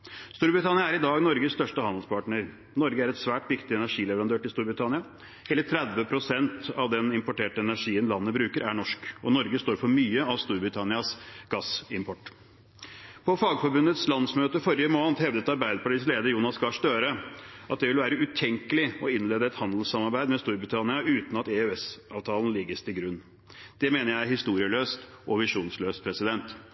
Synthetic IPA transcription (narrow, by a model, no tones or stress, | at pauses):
st̪uːɾbɾɪt̪ʰɑnɪɑæɾɪd̪ɑːɡnɔɾɡəsst̪œʂʈəhɑnəlspʰɑʈɳəɾ | nɔɾɡəæɾɛt̪sʋæːʈʋɪkt̪ɪɛnæʂiːlɛʋəɾɑnøːʈɪlst̪uːɾbɾɪt̪ʰɑnɪɑ | heːlət̪ʰɾɛd̪ʋəpʰɾʊsɛnt̪ɑ̰ʋd̪ɛnɪmpɔʈeːʈəɛnæʂiːənlɑnːəbɾʉːkəɾʔæɳɔʂkɔnɔɾɡəst̪oːɾfɔɾmyːəɑʋst̪uːɾbɾɪt̪ʰɑnɪɑsɡɑsɪmpʰɔʈː | pʰɔfɑːɡfɔɾbʉnət̪slɑnsmøːt̪əfɔɾɪəmoːnt̪hɛʋd̪ət̪ɑɾbæɪd̪əpɑʈiːsleːd̪əɾjuːnɑsɡɑʂd̪øːɾəʔɑt̪̚d̪ɛʋɪlʋæːɾəʉt̪ʰɛŋkəlɪɔɪnleːd̪əɛt̪hɑnd̪l̩sɑmɑɾbæɪd̪mɛst̪uːɾbɾɪt̪ʰɑnɪɑʉːt̪nɑt̪ɛøɛsɑːʋt̪ʰɑːln̩lɪɡːəst̪ʰɪlɡɾʉnː | d̪̥ɛmeːnəɾjæɪhɪst̪uːɾɪəløːst̪ | ʔɔʋɪʂuːnsløːst̪̚pʰɾɛsɪd̪ɛnt̪